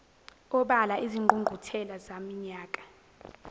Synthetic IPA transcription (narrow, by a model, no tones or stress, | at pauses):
ɔɓalaʔiziŋʱuŋɡʱutʰɛlazamiɲaːkʼḁ